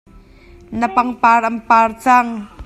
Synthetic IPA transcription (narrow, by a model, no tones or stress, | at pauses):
napaŋparʔɐmpart͡saŋ